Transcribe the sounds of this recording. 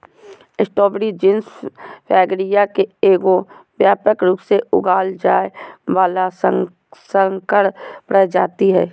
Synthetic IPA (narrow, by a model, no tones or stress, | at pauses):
ɪsʈoːbɾid͡ʒɪnsfʰɛːɡɾijakeeːɡobjaːpəkɾʊkseʊɡaːld͡ʒaːeʋaːla | sə̃ŋkəɽpɾɛd͡ʒaːt̪iɦɛː